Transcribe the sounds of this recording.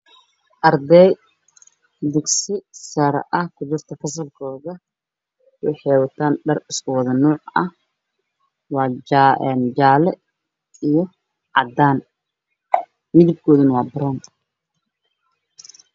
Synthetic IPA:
ʔɐrd̪ɛj | d̪ɪɡsɪsɐɾʔɐhkʰʊd͡ʒɪrt̪ʰɐfɐs̬ɐlkʰɔːðɐ | wɪ̰ħɛjwɐt̪ʰaːnɖɐrɪskʰʊwɑðɐnɔːʕɐ̰h | wɑːɛnd͡ʒaːlɛ | ijɔ | ʕɑd̪aːn | mɪðɪb̚kʰɔːðɐnɐwɑːbɐɾaːn

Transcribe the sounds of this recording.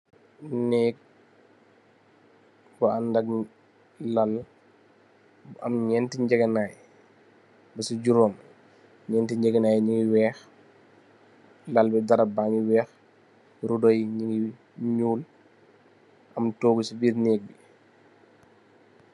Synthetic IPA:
nɛːk̚ | bɔandɐɡ̚ | lɐl | ɐ̰mɲɛntiɲd͡ʒɛɡɛnaːj | bɛsiɟuɾɔːm | ɲɛntiɲd͡ʒɛɡɐnaːjɲiŋɡiwɛːx | lɐlbɛdɐɾɐbaŋiwɛːx | ɾudɔjɲiŋɡi | ɲuːl | ʔɐmtoːɡusibiːɾnɛːk̚bi

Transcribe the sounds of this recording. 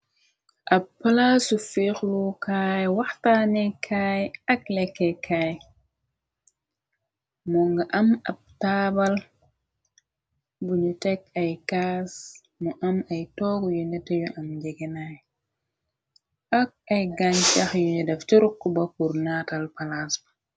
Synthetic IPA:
ʔappːalasufixlukajwaxtanekʰajaklɛkːekʰaj | mɔŋɡaʔamab̚taːbal | bulutɛkajkas | mɔʔamajtɔɡɔjunɛtejuʔamd͡ʒeɡenaj | ak̚ajɡant͡ʃaxjuɲɛdafteɾukːubakuɾnatalpalas

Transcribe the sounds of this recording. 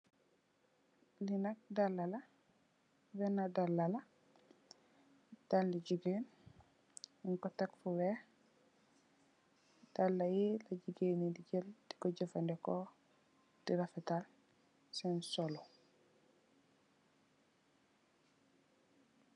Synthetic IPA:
linak̚dalːala | wenadalːala | talːiɟiɡen | iŋkɔtakfuwe | talːajilaɟiɡenidiɟəldi̥koɟəfandeko | d̥iɾafetal | sensolo

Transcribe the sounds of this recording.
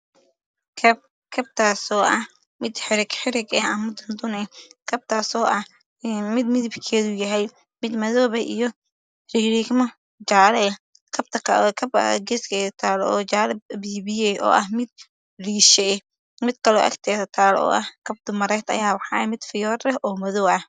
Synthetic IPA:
kʰ | kʰɐb̚t̪ʰaːsɔːʔɐh | mɪd̪ħɪɾɪɡħɪɾɪɡɛɐmɐd̪ʊnd̪ʊnɛkʰɐb̚t̪ʰaːsɔːʔɐ | mɪd̪mɪðɪbkʰɛːðʊjɐɦɛj | mɪd̪mɐðɔːβɛʔijɞ | riːɾiːkmɐ | d͡ʒaːlɛ | kʰɐb̚t̪ʰɐkʰɐkʰɐbɐ̰ɡɛskʰɛːðɐt̪ʰaːlɔ̰ːt͡ʃaːlɐbiːβɪjɛjʔɔ̰ːʔɐhmɪd̪̚ | riːʃɛ | mɪd̪kʰɐlɔ̰ːʔɐ̰kt̪ʰɛːðɐt̪ʰaːlɔ̰ːʔɐ̰hkʰɐb̚d̪ʊmɐɾɛt̪ɐ̰jaːwɑħɑːɐmɪd̪fɪjɔːrɛʔɔːmɐðɔwɐh

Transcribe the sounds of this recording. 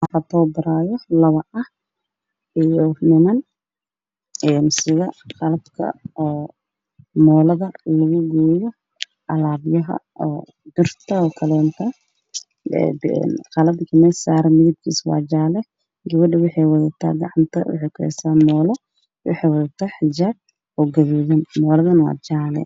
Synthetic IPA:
aħɐt̪ʰɔːbɐɾaːjɔlɐβɐʔɐh | ɪjɔnɪmɐn | ɛːnsɪɣɐqɑlɐbkʰɐ̰ː | mɔːlɐðɐlɐɣʊɡuːjɔ | ʔɐlaːbjɐɦɐ̰ | ɔː | d̪ʊrt̪ʰɐɔkʰɐlɛnt̪ʰɐ | ɛ̰ɛ̰nqɑlɐbkʰɐmɛːsaːɾɐmɪðɪb̚kʰḭːswɑ̰ːd͡ʒaːlɛ | ɡɐβɐɖɐwɑħɑjwɐðɐt̪ʰa̰ːɡɑʕɑnt̪ʰɐwʊ̰ħɛjkʰʊɛ̰saːmɔːlɔ | wɑ̰ħɛjwɐðɐt̪ʰaːħɪd͡ʒaːb̚ | ɔɡɐðuːðɐnmɔːlɐðɐnwɑ̰ːd͡ʒaːlɛ̰

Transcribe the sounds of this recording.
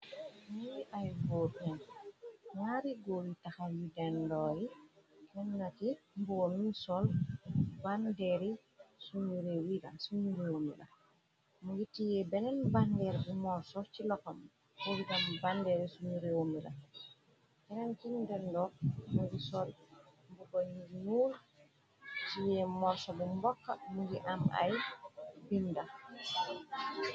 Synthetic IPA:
mijiʔajɡɔbɛn | ɲaɾiɡowitaxajidɛndɔjikɛnːakimbuɔmisɔl | bandɛɾi | suɲuɾewila̰suɲuɾewomḭla̰ | mujitːijɛbɛnɛnbandɛɾbumɔɾsɔt͡ʃilɔkːɔm | owidambandɛɾɛsuɲuɾɛwomila̰ | bɛnɛnkindɛndɔmuɡisɔlbukɔɲinuːl | tijɛmɔɾsɔbumbɔkːamuɡiʔamʔa̰jbinːda

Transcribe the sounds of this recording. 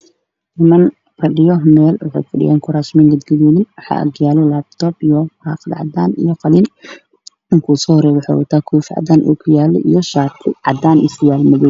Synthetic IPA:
nɪmɐn | fɐɖɪjɔmɛːlwɑħɑ̰jfɐɖɪja̰ːŋkʰʊɾaːsmɛːŋɡɐd̪ɡɐðuːðɪnwɑħɑ̰ːʔɐ̰ɡjaːlɔlaːb̚t̪ʰɔːbijɔrɑːfd̪ʕɑ̰d̪aːnḭjɔqɑliːn | ɪŋkʰuːsɔːhɾɛːβʊħɑ̰ːwɐ̰t̪ʰaːkʰuːfʕɑ̰d̪aːnʔṵːkʰʊjaːlɛ̰ʔijɔʃaːt̪ʰɪʕɑ̰d̪aːnɪ̰sɪjaːlmɐðɛj

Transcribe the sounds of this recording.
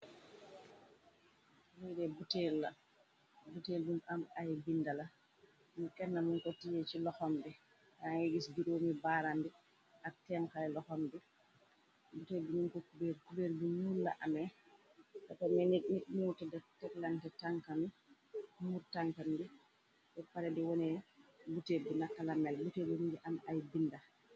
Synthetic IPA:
wudɛbutɛɾla | buteldumamajbindala | mukɛnːamunkɔtijɛt͡ʃilɔhɔmbɛ | aŋeɡisɡiɾomibaɾandɛ | ʔatɛnkajlɔhɔmbɛ | butebiminkɔkubeɾkubeɾbiɲulːaʔamɛ | katɔmɛnekniɗmutɛdɛtɛklantɛtaŋkami | muɾtaŋkambi | bɛpalɛdɛwɔnɛbutebinakːalamɛlbutebimid͡ʒiʔamajbinda

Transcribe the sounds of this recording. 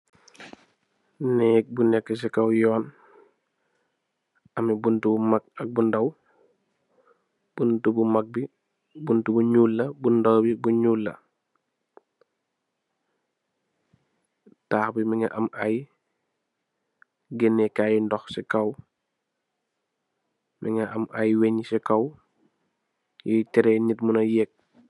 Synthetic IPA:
nɛk̚bunɛkːəs̬ɛkɐwjɔːn | ɐmibuntubumak̚ɐk̚bundɐw | b̥untubumak̚bi | buntubuɲuːlːɐbundɐwbibuɲuːlːɐ̰ | taːxbimiŋɐʔɐmʔaj | ɡɛnːɛkajindɔxsɛkɐw | mḭŋɐʔɐmʔajweɲisɛkɐw | jitɛɾɛɲitmunɐjɛk̚

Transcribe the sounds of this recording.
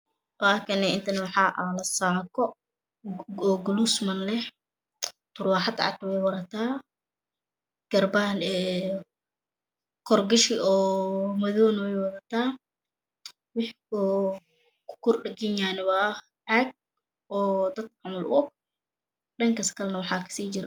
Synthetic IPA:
waːkʰɐnɛɪnt̪ʰɐnɐwɑħɑːʔalɐsaːkʰɔ | ɔːɡʊlusmɐnlɛh | t̪ʰʊrwaːħɑd̪ʕɑ̰t̪wɛjwɐɾɐt̪ʰaː | ɡ̥ɐrbanɛː | kʰɔrɡɪʃɪʔɔːmɐðɔːnwɛjwɐðɐt̪ʰaː | wɪħkɔ | kʰʊ̥kʰʊrɗɐɡɪjaːnɪβɐ | ʕaɡ̚ | ɔːd̪ɐd̪̚ʕɑmɐlʔʊ̰ɔɡ̚ | ɗɐŋkʰɐskʰɐlnɐwɑħɑːkʰɐ̥siːt͡ʃɪɾ

